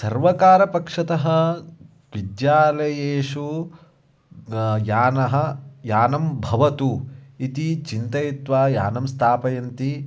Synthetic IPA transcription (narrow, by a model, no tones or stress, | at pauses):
sɐɾʋɐkaːɾɐpɐkʂɐt̪ɐɦɐ̆ | ʋid̪jaːlɐjeːʂu | jaːnɐɦɐ̆jaːnɐmbʱɐʋɐt̪uit̪it͡ʃint̪ɐjit̪ʋaːja̰ːnɐmst̪ʰaːpɐjɐnt̪i